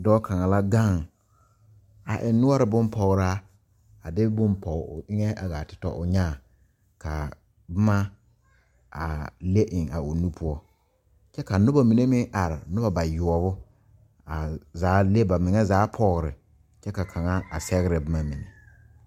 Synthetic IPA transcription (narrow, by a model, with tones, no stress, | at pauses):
dɔː˦kʰa˨ŋa˨la˦ɡa˦˨ŋ | a˨ʔɪ˨nːʊ˦ɔ˦ɾɪ˨bʊ˦mpʰɔ˨ɣɾa˦ | a˨dɪ˦bʊ˦mpɔ̰˨ʔɪ˦ŋɛ˦ʔa˨ɣa˨tɪ̥˨tɔ̰˦ʔʊ˨ɲaː˦˨ | kʰa̰˨ | bʊ˦ma˦ | a˨le˦ʔɪ˨ŋa̰˨ʊ˨nu˦pʰʊ˦ɔ˦ | t͡ʃɛ˦ka˨nʊ˦ba˨mi˨ne˦mɪ˦ʔa˨ɾɪ˨nʊ˦ba˨ba˨jʊ˨ɔ˨bʊ˦ | a˨zaː˨˦le˦ba˨mɪ˨ŋɛ˦zaː˨˦pʰɔ˦ɣɾɪ̰˨ | t͡ʃɛ˦ka˨kʰa˨ŋa˦a˨sɛ˦ɣɪ˦ɾɪ˨bʊ˦ma˦mɪ˨nḛ˨